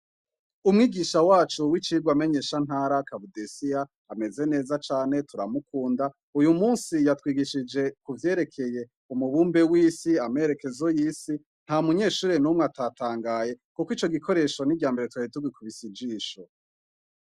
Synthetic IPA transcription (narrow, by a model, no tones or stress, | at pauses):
umŋiːɡiʃawaːt͡ʃuwit͡ʃiɡwame̞ɲe̞ːʃan̥ɦaːɾakaβudesijaː | me̞ze̞ne̞ːzat͡ʃaːne̞tuɾamukuːnda | ujumuːnsijatwiːɡiʃid͡ʒe̞kuvje̞ːɾe̞kʰe̞je̞ | umuβuːmbewiːsiameɾe̞ke̞zo̞jiːsi | n̥hamuɲe̞ːʃuːɾenumŋweataːtʰaːŋɡaːje̞kukwiːt͡ʃo̞ɡikʰo̞ɾe̞ːʃo̞niɡɟjaːmbe̞ɾetwaituɡwikuβisid͡ʒiːʃo